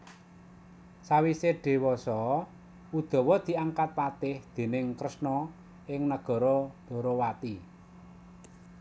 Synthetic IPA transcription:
sawiseɖ̥e̤wɔsɔ | ud̪̥ɔ̤wɔd̪̥i̤aŋkat̪̚pat̪ɪhd̪̥e̤nɪŋkɾəsnɔ | ɪŋnəɡ̥ɔ̤ɾɔd̪̥ɔ̤ɾɔwat̪i

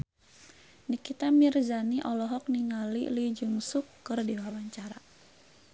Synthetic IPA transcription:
nikit̪amirzaniʔɔlɔɦɔk̚niŋalḭlid͡ʒuŋsukːɨrdiwawaɲt͡ʃaɾa

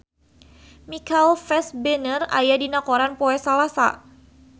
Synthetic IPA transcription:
mikalfɛsbənərajadinakɔɾanpɔɛsalasa̰

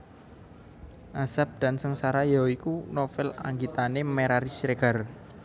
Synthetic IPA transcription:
ʔasap̚d̪̥a̤nsəŋsaɾajaikunofɛla̰ŋɡit̪anemeɾaɾisɾeɡ̥a̤r

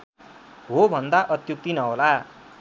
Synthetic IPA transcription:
ɦobʱʌnd̪aʔʌt̪juk̚t̪inʌɦola

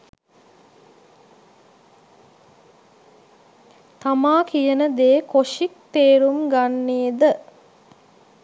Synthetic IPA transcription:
t̪amaːkijənəd̪eːkoʂik̚t̪eːɾumɡanːeːd̪ə

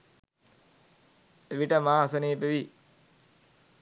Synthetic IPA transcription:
eʋiʈəmaːsəneːpeʋi

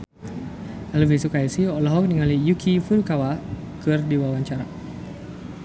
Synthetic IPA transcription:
aluvisukaisiɔlɔɦɔk̚niŋalijukʰifuɾukawa | kɨrdiwawaɲt͡ʃaɾa

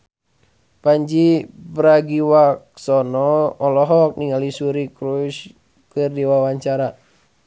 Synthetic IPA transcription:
paɲd͡ʒipɾaɡiwaksɔnɔːlɔɦɔk̚niŋalisuɾikɾuʃ | kɨrdiwawaɲt͡ʃaɾa

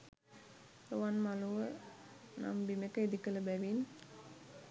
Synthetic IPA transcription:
ruʋanmaluʋə | na̰mbimekəid̪ikələbæʋin

